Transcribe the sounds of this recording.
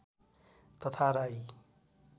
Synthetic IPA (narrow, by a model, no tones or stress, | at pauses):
t̪ʌt̪ʰaɾai